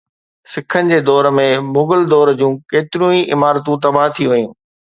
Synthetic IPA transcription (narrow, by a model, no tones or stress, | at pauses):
sɪkʰənɪ̆d͡ʑeːd̪ɔːɾmẽmʊɡəld̪ɔːɾd͡ʑũːkeːt̪ɪɾũĩʔɪmaːɾt̪ũt̪̬ɐbaɦt̪ʰiʋɐjũː